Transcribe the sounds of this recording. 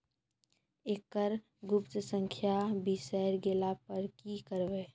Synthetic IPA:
ekəɾ | ɡʊpt̪əsə̃ŋkʰjabisɛɾɡeːlapəɾkikəɾbeː

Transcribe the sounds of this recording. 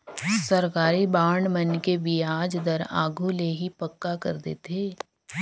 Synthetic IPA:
sɐɾkaːɾibaːɳmɐnkebiaːd͡ʒd̪əɾa̰ːɡʱuleɦipɐkːakɐɾd̪ḛːt̪eː

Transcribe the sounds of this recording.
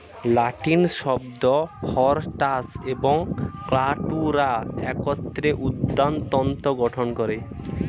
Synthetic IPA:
laʈinʃɔbd̪ɔhɔɾʈaseboŋklaʈuɾaɛkɔt̪ːɾeʔud̪ːant̪ɔnt̪oɡɔʈʰonkɔɾe

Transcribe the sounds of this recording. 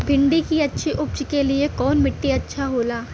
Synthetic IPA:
bʱɪ̃ɳɖikiɐtːʃʰiʔʊp̚t͡ʃkeliekɔːnmɪʈːiɐtːʃʰaɦoːlaː

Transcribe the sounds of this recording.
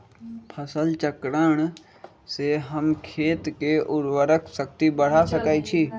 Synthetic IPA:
pʰəsəlt͡ʃəkɾəɽ̃ | seɦəmkʰeːt̪keʔʊɾwəɾəkʰsək̚t̪ibəɽ̤asəkait͡ʃʰiː

